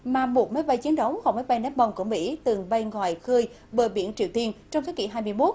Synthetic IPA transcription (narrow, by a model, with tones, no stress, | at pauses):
maː˨˩mo˨˩t̚mə˨˦jɓa˧jt͡ɕi˨˦ənɗə˨˦wŋ͡mɣɔ˧˩wmə˨˦jɓa˧jna˨˦˥m̚ɓə˨˩wŋ͡mku˧˩əmḭ˧˥t̪ɨ˨˩ŋɓə˧jŋwa̰˧˨jxɨː˧j | ɓəː˨˩ɓḭ˧˩ənt͡ɕḭ˧˨əwt̪i˧ənt͡ɕɔ˧wŋ͡mt̪ʰːkḭ˧˩ɦaː˧jmɨ˧əjmo˦˥t̚